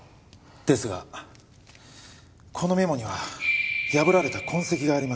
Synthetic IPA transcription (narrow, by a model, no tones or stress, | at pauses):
d̪̥e̞sɨɡa̰ | kʰo̞no̞me̞mo̞ɲ̟iβajabɯ̟ɾaɾe̞t̪akʰõ̞ɰ̃se̞kʲiɡaːɾʲima